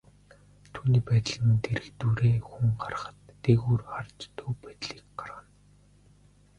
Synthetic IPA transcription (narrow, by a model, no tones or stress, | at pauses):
t̪ʰuːniːpæːt̪ɮĭːmɘnt̪eɾɘ̆kt̪uːɾeːxuŋɢar̆χə̥̆t̪ːeɣuːrχart͡ɕt̪ʰɵːpæːt̪ɮiːk̚ɢaraːn